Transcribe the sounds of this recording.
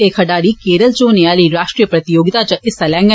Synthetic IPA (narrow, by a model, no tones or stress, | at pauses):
ekʰɐɖaːɽiːkeːɾəlt͡ʃoːneaːliːɾaːʃʈɾiːəpɾɐt̪ɪjoːɡɪt̪at͡ʃəʔɪsalɛ̃ːŋɡə